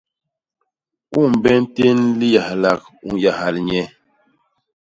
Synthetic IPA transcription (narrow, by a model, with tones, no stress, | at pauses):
u˦˨m˨bɛ˦n̩˦te˦nli˦ja˨hla˨k̚u˦˨ja˨ha˨lɲɛ˦